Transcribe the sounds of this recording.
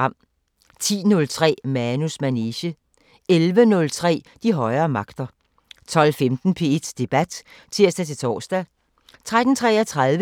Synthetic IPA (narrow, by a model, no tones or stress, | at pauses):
ɑ̈m̰ | t͡sʰḭːnɔ̽lt͡sʰʁɛ̰ːmænusmæneɕə | elʋənɔ̽lt͡sʰʁɛ̰ː | d̥iɦɒ̽ɪɐːmɑ̈ɡ̥d̥ɐ | t͡sʰɒ̽l̰femd̥n̩pʰe̝ed̥sd̥e̝b̥æd̥t͡sʰiɐ̰sd̥æt͡sʰe̝t͡sʰɒ̰ːsd̥æ | t͡sʰʁad̥n̩t͡sʰʁɛːɐt͡sʰʁaðˠʋə